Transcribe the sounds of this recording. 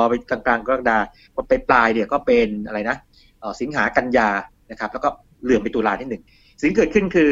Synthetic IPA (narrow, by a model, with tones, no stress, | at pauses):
ɔː˧pa˧jk̪a˧ŋklaː˧ŋkaː˥˩daː˧ | ko˧npa˧jplaː˧jdi˧˩wkɔː˥˩pe˧nʔa˧ɾa˧jna˦˥ | ʔɔː˨˩si˨˩˦ŋɦaː˩˦˥ka˧njaː˧na˦˥kʰa˦˥p̚lɛ˦˥kɔː˥˩ | lɯ˨˩əmpa˧jt̪uː˧laː˧t̪ʰiː˥˩nɯ˨˩ŋ | si˨˦ŋk̬ɤː˨˩t̪̚kʰɯ˥˩nkʰɯː˧